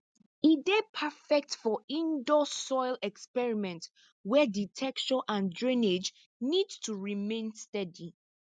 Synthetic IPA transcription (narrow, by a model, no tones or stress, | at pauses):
idepʰafɛk̚tfɔĩndosɔɪlɛkspɛɹimɛ̃nt | wɛditʰɛkt͡ʃɔʔãndɹĩned͡ʒ | nidtʰuɹimẽnstɛdi